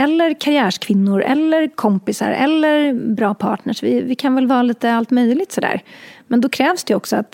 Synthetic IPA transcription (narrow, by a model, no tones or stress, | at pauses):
ɛlːəɾkʰaɾɪæːʂkʰvɪnːʊɾɛ̰lːəɾkʰɔmpɪsa̰ɾɛ̰lːəɾbɾɑːpʰɑ̰ːʈɳəʂvɪvɪkʰanvɛlvɑːliːt̪əalt̪mœjlɪɡ̚t̪sɔd̪æ̰ːɾmɛnd̪ɔkʰɾɛːvsd̪ɛɔksɔat̪